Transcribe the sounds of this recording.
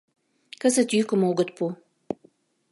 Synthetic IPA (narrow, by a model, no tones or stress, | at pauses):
kəzət̪jykə̆moɡə̆t̪̚pu